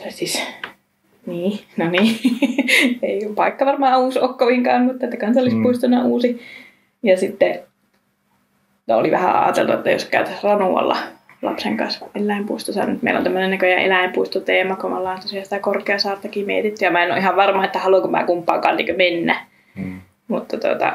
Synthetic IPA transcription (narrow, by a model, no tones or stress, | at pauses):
sis | niːnoniː | eipɑikːɑʋɑrmɑːuːsokːoʋiŋkɑːnmut̪ːɑet̪ːækɑnsɑlːispuist̪unːɑuːsi | jɑsit̪ːe | noo̰liʋæhæ̰ɑ̰ːt̪ḛlt̪uḛt̪ːæ̰jo̰skæyt̪æsrɑnuɑ̰lːɑ̰lɑ̰pseŋkɑ̰nselːæimpuist̪osɑ̰ːnmut̪mḛilo̰nt̪æmːønenækøjɑʔḛlæimpuist̪ot̪eːmɑkomɑ̰lːɑːnt̪osiɑsi̥t̪ækorkeɑsɑːrt̪ɑkiːmiḛt̪it̪ːyjɑmæenːo̰ʔihɑʋʋɑrmɑːet̪ːæhɑluɑŋkømæ̰ːkumpːɑːŋkɑ̰ːnnːḭːkømenːæ | mut̪ːɑt̪uo̰t̪ɑ̰